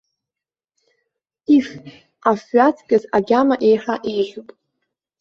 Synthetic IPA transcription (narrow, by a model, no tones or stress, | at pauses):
if | afɥat͡sʰɡʲʼazaɡʲamaʔe̞jħaʔejʒʲʷupʼ